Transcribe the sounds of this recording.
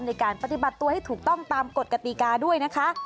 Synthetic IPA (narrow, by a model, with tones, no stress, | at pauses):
mn˧jkaː˨˩npa˧t̪i˨˩ba˨˩t̪ːu˧ha˥˩jt̪ʰuː˨˩k̚t̪ɔ˥˩ŋt̪aː˧mko˨˩t̪̚ka˧t̪i˨˩kaː˧du˥˩əjna˦˥kʰa˦˥ʔ